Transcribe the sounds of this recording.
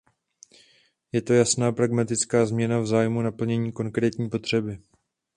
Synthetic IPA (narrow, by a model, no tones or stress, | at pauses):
jɛt̪o̞jasnaːpɾaɡmat̪ɪt͡skaːzmɲɛnavzaːjmunapl̩ɲɛɲiːko̞ŋkɾɛːt̪ɲiːpo̞t̪r̝̥ɛbɪ